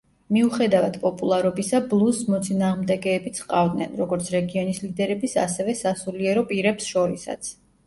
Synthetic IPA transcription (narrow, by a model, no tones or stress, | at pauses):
miuχɛd̪avad̪̥pʼɔpʼulˠaɾɔbisablˠusmɔt̪sʼinaːʁmd̪ɛɡɛːbit̪sʰqʼavd̪nɛ̰nɾɔɡɔɾt̪sʰɾɛɡiɔnislid̪ɛɾɛbisa̰sɛvɛsasuliɛɾɔpʼiɾɛpsʃɔɾisa̰t̪sʰ